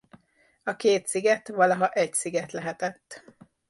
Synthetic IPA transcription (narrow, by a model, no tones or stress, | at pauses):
ɒkeːt̪siɡɛt̪ʋɒlɒɦɒʔɛcsiɡɛt̪lɛɦɛt̪ɛt̪ː